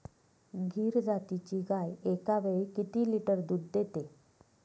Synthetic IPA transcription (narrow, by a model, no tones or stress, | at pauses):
ɡʱiːɾd͡zat̪it͡ɕiːɡajekaʋeɭikit̪iːliʈəɾd̪uːd̪d̪et̪e